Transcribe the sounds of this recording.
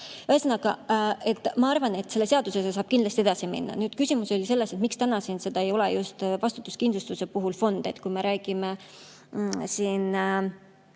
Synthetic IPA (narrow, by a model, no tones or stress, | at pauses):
hesenɑɡ̥ɑe̞t̪ːˑmɑɑrvɑne̞t̪ːse̞lːeseɑd̪usesesɑːb̥kind̪lɑst̪ie̞d̪ɑsimḭnːɑ̰nyːd̪̥kysʲimuso̞lʲise̞lːeset̪mikst̪ænɑsiːnse̞d̪̥ɑejo̞lejust̪vɑst̪ut̪ːˑuskind̪lust̪use̞puɦulfo̞nd̪̥e̞t̪kujme̞ɾæːɡ̥ime | siːn